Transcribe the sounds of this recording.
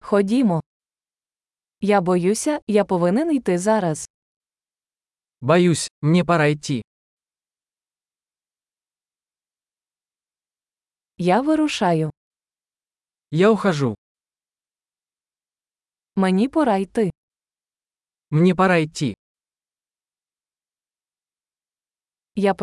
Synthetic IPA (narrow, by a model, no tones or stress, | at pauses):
xɔdʲimɔ | jabɔjusʲɐjapɔʋɪnɪnijt̪ɪzɑɾɐz̥ | bajusʲmnʲɛpaɾajtʲːi | jaʋɪɾʊʃɑjʊ | jawxaʐu | menʲipɔɾajt̪ɪ | mnʲɛpaɾajtʲːi | jap